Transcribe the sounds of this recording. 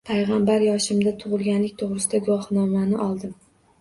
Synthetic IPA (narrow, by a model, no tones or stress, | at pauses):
pʰajʁɑmbaɾjɒʃɪmd̪at̪ʰʊʁɨlˠɡʲanlɪk̚ʲt̪ʰoʁɾɨsɪd̪aɡʊwɒhnɒmanɪʔɒlˠd̪ɪm